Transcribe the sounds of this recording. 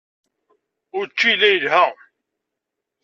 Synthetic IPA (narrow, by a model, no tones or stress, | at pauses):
ʊɾt͡ʃːilːæjəlhæ